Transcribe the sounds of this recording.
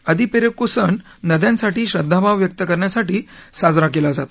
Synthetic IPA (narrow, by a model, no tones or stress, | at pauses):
əd̪ʱipeɾəkosəɳ | nəd̪jãnsaʈiːɕɾəd̪ʱːabʱaʋjək̚t̪əkəɾɳjasaʈiːsad͡zɾak̬elad͡zat̪